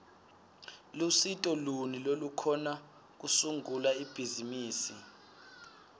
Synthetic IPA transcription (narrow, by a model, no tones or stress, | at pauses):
lusitʼɔlunilolukʰɔna | k̬usuŋulaib̥ʱizimiːsi